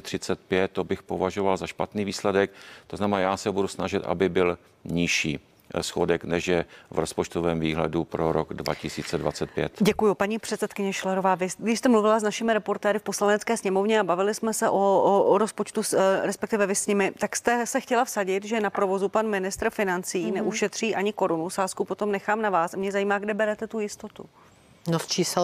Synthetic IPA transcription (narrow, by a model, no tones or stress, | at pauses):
t̪r̝̥ɪt͡sɛt̪̚pjɛt̪̚tːobɪxpovaʒovalzaʃpat̪niːviːslɛdɛk̚t̪oznamɛnaːjaːsɛbudusnaʒɪt̪ʔa̰bɪbɪl | ɲɪʃḭː | sxodɛknɛʃjɛvɾospot͡ʃt̪ovɛːmviːɦlɛ̰dupɾoɾoɡdva̰cɪsiːt͡sɛdvat͡sɛt̪̚pjɛ̰t̪ɟɛkujupaɲipr̥ɛt̪sɛt̪kɪɲɛʃlɛɾovaːvɪɡdɪʃst̪ɛmluvɪlaznaʃɪmɪɾɛpo̞ɾt̪ɛːɾɪfpo̞slanɛt͡skɛːsɲɛmo̞vɲɛabavɪlɪsmɛsɛʔoɾospot͡ʃt̪uɾɛspɛk̚t̪ɪvɛvɪsɲɪmɪt̪akst̪ɛsɛxcɛlafsaɟɪt̪ʒɛnapɾo̞vo̞zupanmɪnɪst̪ɾ̩fɪnant͡siːnɛʔuʃɛt̪r̝̥iːʔaɲɪko̞ɾunusaːskupot̪o̞mnɛxaːmnavaːsamɲɛzajiːmaːɡdɛbɛɾɛt̪ɛt̪ujɪst̪o̞t̪ṵ | nost͡ʃiːs